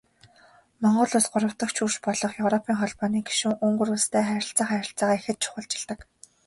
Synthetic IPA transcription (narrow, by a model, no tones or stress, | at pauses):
mɔɴɢɞ̆ɮʊːsɢʊɾə̆w̥t̪ə̆kt͡ɕʰuːʃpɔɮɞ̆χjɵwɾɔpʰiːŋχɔɮpɔːniːɡi̥ʃŭŋɵŋɡɵ̆ɾust̪ʰæːχæɾʲɪ̆ɬt͡saːχæɾʲɪ̆ɬt͡saːʁaːexɘ̆t̪̚t͡ɕʰʊ̥χə̆ɮt͡ɕɪ̆ɮt̪ə̆k